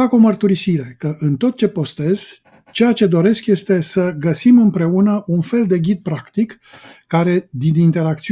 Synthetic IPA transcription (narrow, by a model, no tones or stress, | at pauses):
ako̞mərt̪uɾisiɾe̞kəʔɨnt̪o̞t̪̚t͡ʃe̞po̞st̪e̞z̥ | t͡ʃejat͡ʃe̞d̪o̞ɾe̞skje̞st̪e̞səɡəsimɨmpɾe̞unəʔunfe̞ld̪e̞ɡʲid̪̚pɾakt̪ikː | aɾe̞d̪inint̪e̞ɾak̚t̪si